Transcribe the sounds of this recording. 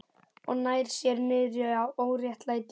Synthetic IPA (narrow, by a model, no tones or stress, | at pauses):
ɔ̰ɣnaːjɾ̥sjɛɾmɪðɾjœawʔoːwɾjɛht̪lajt̪